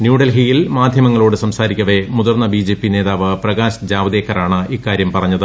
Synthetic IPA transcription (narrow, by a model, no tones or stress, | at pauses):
njuːɽɐlɦijilmaːd̪ʱjɐmɐŋːɐɭoːɽɨsɐmsaːɾikʲːɐʋe̞muðɐrnːɐbiːd͡ʑeːpːine̞ːðaːʋɨprɐɡaːɕɐd͡ʑaːʋɐðeːkʰːɐɾaːɳɨiːkːaːɾjɐmpɐrɐɲːɐðɨ